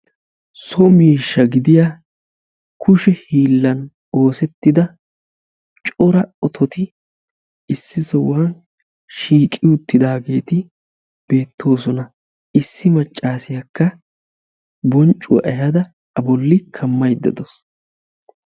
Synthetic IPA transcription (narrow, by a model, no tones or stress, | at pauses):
sɔmiːʃːɐɡɪd̪ɪja | kʊʃɛhiːlːɐn | o̞ːsɛt̪ːɪd̪ɐ | t͡ʃʼɔɾɐɔt̪ʰɔt̪ɪ | ɪsːɪsɔwaːn | ʃiːkʼɪjʊt̪ːɪd̪aːɡe̞ːt̪ɪ | b̥e̞ːt̪ʰːo̞ːsɔnɐ | ɪsːɪmɐt͡ʃʼːaːsɪjɐkːɐ | bɔnt͡ʃʼːʊ̰ʔɐjɐd̪ɐ | ɐbɔlːɪkʰɐmːɐjd̪ːɐ̰d̪ɔs